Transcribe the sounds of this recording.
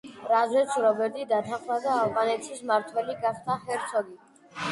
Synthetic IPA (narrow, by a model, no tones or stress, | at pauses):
ɾazɾɛsʰuɾɔbɛɾd̪id̪ɑt̪ʰaχvazɛːvʁɑnɛt͡s̪ʰismɑɾt̪ʰvɛliɡɑχt̪ʰahɛɾt͡sʰɔɡi